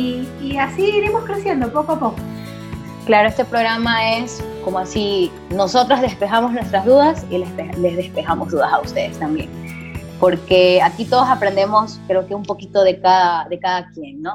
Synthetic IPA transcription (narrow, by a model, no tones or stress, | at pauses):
iːasiːɾimo̞skɾesjend̪opokoapoko | klaɾo̞e̞st̪e̞pɾo̞ɣɾamae̞sko̞moasi | no̞so̞t̪ɾazðe̞spe̞xamo̞znwest̪ɾazðuðasilepelezðe̞spe̞xamozðuðasaust̪e̞ðest̪ambjḛŋ | po̞ɾke̞akit̪o̞ð̞osapɾe̞nd̪e̞mo̞skɾe̞oke̞umpo̞kit̪o̞ð̞e̞kaðaðe̞kaðakjenno̞